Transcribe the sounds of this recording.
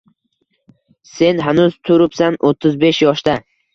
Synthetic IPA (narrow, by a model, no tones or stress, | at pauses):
se̞nɦanʊzt̪ʰʊɾɪpsanʔot̪ʰːɪzbe̞ʃjɒʃd̪a